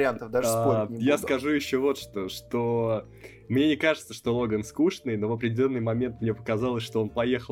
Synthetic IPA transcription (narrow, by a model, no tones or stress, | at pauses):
ɪant̪əvd̪asaojaskɐʐujɪɕːovo̞t̪ʂt̪oʂt̪o | mnʲe̞nʲɪkaʐɨt̪səʂt̪o̞lˠo̞ɡənskuʂnɨjno̞vɐpɾʲɪdʲɪlʲo̞nːɨjmɐmʲe̞nt̪mnʲe̞pə̥kɐzɑlˠəsʲʂt̪oo̞npɐje̞xə